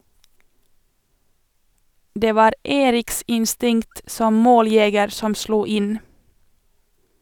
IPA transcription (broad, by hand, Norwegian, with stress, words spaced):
ˈdeː ˈʋɑːɾ ˈeːɾɪks ɪnˈstɪŋt ˈsɔm ˈmoːlˌjɛɡəɾ ˈsɔm ˈsluː ˈɪn